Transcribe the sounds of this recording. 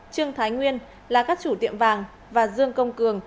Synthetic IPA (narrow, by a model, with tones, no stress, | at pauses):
t͡ɕɨ˧əŋt̪ʰaː˨˦jŋwi˧ən | laː˨˩kaː˦˥k̚t͡ɕu˧˩t̪ḭ˧˨əmvaː˨˩ŋ | vaː˨˩zɨ˧əŋkə˧wŋ͡mkɨ˨˩əŋ